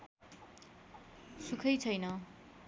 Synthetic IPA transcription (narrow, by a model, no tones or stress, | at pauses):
sukʰʌjt͡sʰʌjnʌ